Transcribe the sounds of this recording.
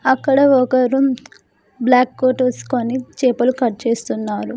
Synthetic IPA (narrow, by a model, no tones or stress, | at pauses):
ɐkːɐɽɐɔkɐɾu | blaːkːoːʈʋɐsu̥konit͡ʃeːpɐlukɐʈ̚t͡ʃeːst̪unːaːɾu